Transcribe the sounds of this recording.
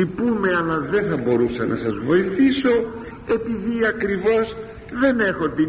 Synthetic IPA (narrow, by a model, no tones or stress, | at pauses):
ipume̞ɐlɐðe̞nθɐbo̞ɾusɐnɐ̰sɐzvo̞iθiso̞ | e̞piðiɐkɾivo̞z | ðe̞ne̞xo̞t̪i